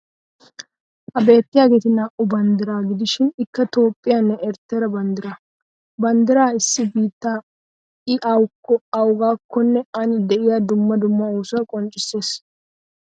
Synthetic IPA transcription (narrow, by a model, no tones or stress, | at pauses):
ʔɐbe̞ːt̪ːɪjaːɡet̪ɪnaːʔʊbɐnd̪ɪɾaːɡɪd̪ɪʃɪnɪkːɐt̪o̞ːpʼːɪjaːnːɛʔɛɾt̪ːɛɾɐbɐnd̪ɪɾa | bɐnd̪ɪɾaːɪsːɪbiːt̪ːaː | ɪʔɐwkːɔɐwɡaːkʰːɔnːɛɐnɪd̪ɛʔɪjaːd̪ʊmːɐd̪ʊmːɐoːsʊɐkʼɔnt͡ʃʼːɪsːe̞ːs